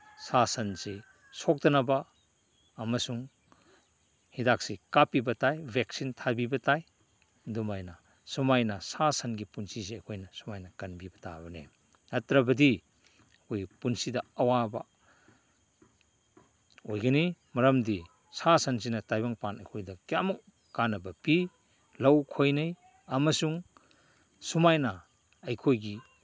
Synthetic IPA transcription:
sasɐnsi | sok̚dɐnɐbɐː | mɐsuŋ | hidak̚sikapːibɐtajbʱek̚sintʰabibɐtaj | dumajnɐ | sumajnɐsasɐnɡipunsizeɐkʰojnɐsumajnɐkɐnbibɐta̰bɐnḛ | ɐtɾɐbɐdi | kʰojɡipunsidɐɐwabɐ | ojɡɐnimɐɾɐmdi | sasɐns̬inɐtajbaŋpanɐjkʰojdɐkijamɐk̚ | kanɐbɐpi | lɐwkʰojnɐj | ɐmɐsuŋ | sumajnɐ | ɐjkʰojɡi

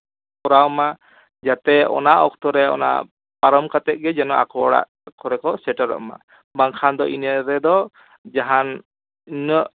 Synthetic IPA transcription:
pɔɾawma | d͡ʒat̪ɛɔ̰naʔɔk̚t̪ɔɾɛɔ̰na̰ʔ | paɾɔmkat̪ɛʔ̚ɡɛd͡ʒɛnɔʔa̰kɔɽa̰ʔ | kɔɾɛkɔsɛʈaɾɔ̰ʔma̰ | baŋkʰand̪ɔʔinəɾɛd̪ɔ | d͡ʒaɦan | inəʔ

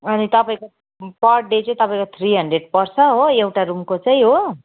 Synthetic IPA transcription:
ʌnit̪ʌpaĩko | pʌrʈ̚ɖet͡sʌĩt̪ʌpaĩkot̪ʰriɦʌɳɖreɖ̚pʌrt͡sʰʌɦoewʈaɾumkot͡sʌĩɦo

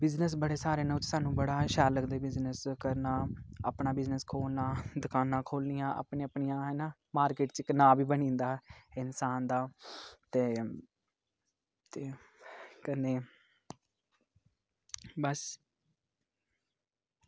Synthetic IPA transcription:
bɪznəsbəɽeːsaːɾeːnəːʊt͡ʃsaːnũːbəɽaːʃɛːɾləɡd̪eːbɪznəskəɾnaːaːpɳaːbɪznəskʰoːlnãːd̪ʊkʰaːnãːkʰoːlnijãːʔa̰ːpɳẽːəpɳijãːɦɛːnaː | maːɾkeːʈt͡ʃkənaːbiːbənĩːnd̪aːɪnsaːnd̪aːt̪eː | t̪eː | kəneː | bəs

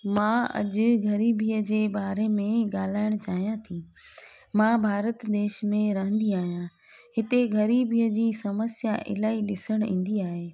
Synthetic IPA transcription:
mãːɐ̰ʄʊ̆ɡɐɾiːbʱiəd͡ʑeːɓaːɾemẽɠaːl̤aːɪɽ̃t͡ɕaːɦijãt̪ʰiː | mãbʱaːɾət̪d̪eːʃmẽɾɐɦə̃nd̪iaːɦijã | hɪt̪eɡɐɾiːbʱiəd͡ʑiːsɐməsjaʔɪ̰laːiɗɪsəɽ̃ḭ̃ːn̆d̪iaːɦeː

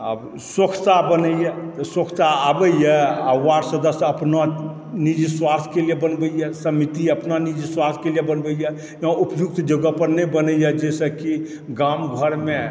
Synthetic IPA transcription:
ə̰b | sokʰt͡ʃabənəijɛt̪sokʰtaabəjɛawaɾsəd̪əsəpna | nid͡ʒiswast̪ʰkelijebənbəjjɛsəmit̪iəpnanid͡ʒiswast̪ʰkelijebənbəijɛ | jãupjuk̚t̪d͡ʒəɡəpəɾnebənəjɛd͡ʒesəki | ɡamɡʱəɾme

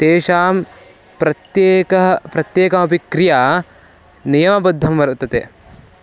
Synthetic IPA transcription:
t̪eːʃaːm | pɾɐt̪jeːkɐɦɐpɾɐt̪jeːkɐmɐp̬ikɾija | nijɐmɐbɐd̪ʱːɐmʋɐɾɐt̪ɐt̪e

